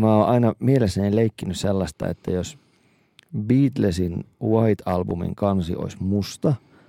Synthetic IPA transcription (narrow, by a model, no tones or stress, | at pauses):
mæːoːʔɑinɑmielesːænileikːinysselːɑst̪ɑ̰ḛt̪ːæjos | biːt̪lesinwɑit̪ɑlbumḭŋkɑnsḭʔo̰ismust̪ɑ